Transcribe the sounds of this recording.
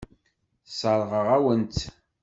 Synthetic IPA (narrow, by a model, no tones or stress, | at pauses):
sˤəɾˤʁəʁæwənt̪